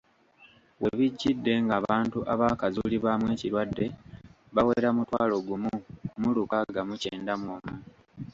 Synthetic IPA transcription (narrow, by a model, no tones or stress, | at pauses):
we̞βiɟːidːe̞ŋɡaːβaːntuʔaβakazuliβamwe̞ːciɾwadːe̞ | βawe̞ɾamutwaːlo̞ɡumumulukaɡamuce̞ːndamwoːmu